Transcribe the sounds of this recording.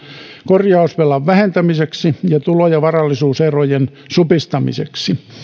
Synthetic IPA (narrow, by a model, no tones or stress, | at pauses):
korjɑusʋelɑʋʋæhent̪æmiseksijɑt̪ulojɑʋɑrɑlːisuːserojen | supist̪ɑmḭsḛksi